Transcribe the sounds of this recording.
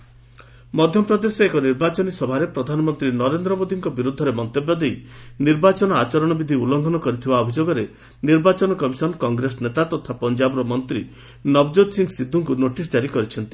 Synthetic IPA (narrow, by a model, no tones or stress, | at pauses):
mɔd̪ʱjɔpɾɔd̪eseːkɔniɾbat͡ʃɔnisɔbʱaɾepɾɔd̪ʱanɔmɔnt̪ɾinɔɾend̪ɾɔmod̪iŋkɔbiɾud̪ʱɔɾemɔnt̪ebjad̪ejniɾbat͡ʃɔnɔat͡ʃɔɾɔɽ̃ɔbid̪ʱiulɔŋɡ̪ʱɔnɔkɔɾit̪ʰibaɔbʱid͡ʒoɡɔɾe | niɾbat͡ʃɔnɔkɔmisɔnkɔŋɡɾesɔnet̪at̪ɔt̪ʰapɔnd͡ʒabɾɔmɔnt̪ɾi | nɔbd͡ʒod̪siŋɡsid̪ʱːuŋkunoʈisd͡ʒaɾikɔɾit͡ʃʰɔnt̪i̥